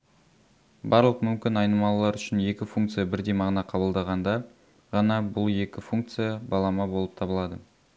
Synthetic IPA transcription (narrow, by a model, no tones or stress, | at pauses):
bɑɾlˠəqmʏmkʲɪnɑjnəmɑlˠlˠɑɾʏʃɪnje̞kʲɪfuŋkt̪sɨjabɪɾd̪e̞jmɑʁnɑqʰɑbəlˠd̪ɑʁɑnd̪ɑ | ʁɑnɑbʊlˠje̞kʲɪfuŋk̚t̪sɨjɑbɑlˠɑmɑbo̞lˠəp̚t̪ʰɑbəlˠɑd̪ə